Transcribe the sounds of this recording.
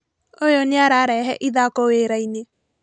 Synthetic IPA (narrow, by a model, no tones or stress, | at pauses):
ojonjaɾaɾɛɦɛʔiðakoeːɾaine